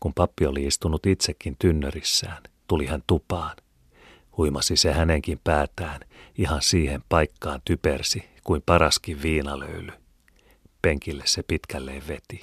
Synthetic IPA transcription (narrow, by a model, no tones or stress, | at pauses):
kumpɑpːioliist̪unut̪it̪sekːint̪ynːørisːæːnt̪ulihænt̪upɑːn | huimɑsisehæneŋkimpæːt̪æːnihɑnsiːhempɑjkːɑːnt̪ypersi | kuimpɑɾɑskiʋʋiːnɑlø̰yly | peŋkilːessepit̪kælːeːʋʋe̞t̪i̥